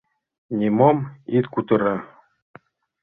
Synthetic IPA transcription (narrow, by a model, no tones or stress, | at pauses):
nʲimomit̪kut̪ɤ̆ɾɑ